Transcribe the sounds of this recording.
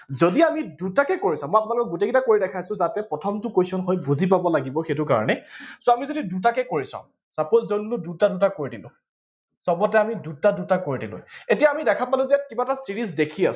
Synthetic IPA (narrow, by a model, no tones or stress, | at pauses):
zodiamidutakɛkoɹisãmɔjap̬ʊnalkɔkɡutekitakoɹidɛkʰajsʊ̃zatɛpɹɔtʰɔmtʊkojsɔnxɔjbuzip̬abɔlaɡibɔxetʊka̰ɹɔ̰nɛsoamizodidut̬akɛkoɹisã̰ʊ̃ | sapɔzzonlʊdutadutakoɹidilʊ̰̃ | sɔbɔtɛamidutadutakoɹidilʊ̰̃etijaːmidɛkʰapalʊ̃zɛjatkibatasiɹiz̬dekʰia̰s